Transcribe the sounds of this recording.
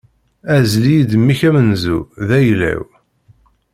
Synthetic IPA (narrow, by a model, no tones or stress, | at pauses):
æzlijid̪əmːiçæmənzṵðæjlæ̰w